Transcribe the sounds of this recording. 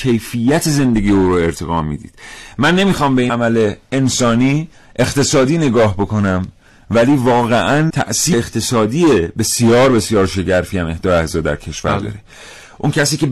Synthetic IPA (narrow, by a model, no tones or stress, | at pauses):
e̞jfijæt̪ʰeze̞nd̪e̞ɡijeuːɾoe̞ɾt̪ʰe̞ɣɒːmḭːd̪ḭːd̪̥mænːe̞miːxɒːmbe̞imæle̞ensɒːniː | e̞xt̪e̞sɒːd̪iːne̞ɡɒːɦbo̞ko̞næm | væliːvɒːɣeʔænt̪ʰæ̰ʔsiːeχt̪ʰe̞sɒːd̪iːebe̞sjɒːɾbe̞sjɒːɾʃe̞ɟæɾfiæme̞hd̪ɒːjæhzɒːd̪æ̰ɾcʰe̞ʃvæ̰ɾd̪ɒ̰ːɾe | ʔuncʰæsiːce̞